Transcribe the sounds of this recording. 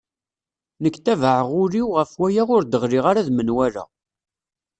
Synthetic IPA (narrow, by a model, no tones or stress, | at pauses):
nəkːt̪ævəʕəʁʊɾiwʁəfwæjaʁʊɾd̪əʁɾiʁaɾaðmənwæɾæ̰